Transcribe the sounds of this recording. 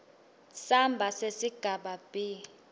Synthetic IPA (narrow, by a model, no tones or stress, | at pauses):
sambʱasesiɡ̥ʱaɓab̥ʱi